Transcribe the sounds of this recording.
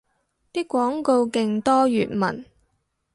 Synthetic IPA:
t̪iː˥kʷːɔː˨˥ŋko˧wkɪ˧ŋt̪ɔː˥jyː˨˩t̚mɐ̰˨˩n

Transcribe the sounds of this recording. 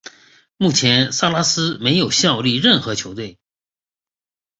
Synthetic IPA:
mu˥˩t͡ɕʰjɛ˧˥nsa˥˧la˥sɹ̩˥me˧˥ɪjo˨˩ʊɕjɑ˥˧ʊli˥˧ɻə˥˩nxɤ˧˥t͡ɕʰjo˧˥ʊt̪̬we˥˩ɪ

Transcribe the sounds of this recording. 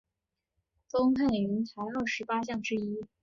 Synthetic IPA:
fo˥ŋt̪ʰa˥˩y˧˥nt͡sʰa˧˥ɪə˞˥˩ʂɻ̩˧˥pa˥ɕ̬jɑ˥˩ŋʈ͡ʂɻ̩˥i˥

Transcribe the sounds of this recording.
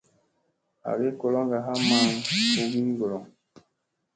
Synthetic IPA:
a̰˨ɡe˦ko˨lɔ˦ŋɡa˨ɦa˦ma˨˦˨ŋo˦ɡi˦ɡo˨lɔ˨ŋ

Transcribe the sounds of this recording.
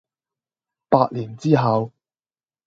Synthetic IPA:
paː˧t̚liː˨˩nt͡siː˥ɦɐ˨˧w

